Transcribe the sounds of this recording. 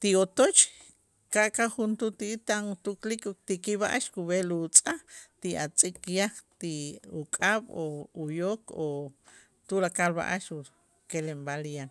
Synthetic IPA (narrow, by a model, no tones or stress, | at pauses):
t̪iot̪ot͡ʃ | kaʔkaχunt̪ut̪it̪aŋut̪uklikot̪ikiβa̰ʔaʃkuβelut͡sʼat̪iat͡sʼikjaχt̪iukʼaβoujoko | t̪ulakalβa̰ʔaʃu | kelembaljan